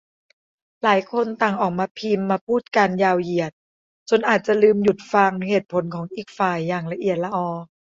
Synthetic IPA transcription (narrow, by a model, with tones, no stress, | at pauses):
laː˩˦jkʰo˧nt̪a˨˩ŋʔɔː˨˩k̚maː˧pʰi˧mːaː˧pʰuː˥˩t̪̚ka˧njaː˧wji˨˩ət̪̚ | t͡ɕo˧nʔaː˨˩t̪̚t͡ɕa˨˩lɯː˧mju˨˩t̪̚fa˧ŋnɯ˧˦heː˨˩t̪̚pʰo˩˦nkʰɔː˩˦ŋʔiː˨˩k̚faː˨˩jːaː˨˩ŋla˧ʔi˨˩ət̪̚la˧ʔɔː˧˩